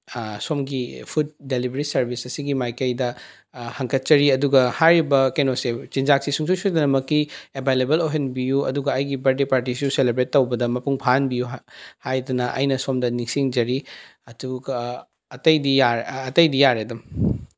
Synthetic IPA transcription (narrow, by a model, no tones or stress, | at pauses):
somɡipʰud̚ːelibɐɾisɐɾbisɐsiɡimajkɐjdɐ | hɐŋkʰɐt̚t͡ʃɐɾiɐduɡɐhaɾibɐkenoset͡ʃind͡ʒak̚sisuŋs̬usudɐnɐmɐkːiebʱajlebɐloɦenbijuɐ̰duɡɐɐjɡibɐɾdipaɾtisijuselebɾetːɐwbɐdɐmɐpuŋpʰanbijuhajdɐnɐʔɐ̰jnɐsomdɐniŋsiŋd͡ʒɐɾiɐduɡɐː | tɐjdijaːtɐjdijaɾedɐm